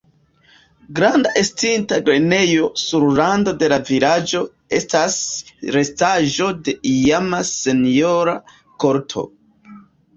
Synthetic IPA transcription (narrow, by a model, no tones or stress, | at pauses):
ɡɾandaʔestintaɡɾene̞jo̞suɾlando̞de̞lavilad͡ʒo̞ | e̞stasɾe̞staʒo̞de̞ijamase̞nijo̞ɾa | ko̞ɾtʰo̞̰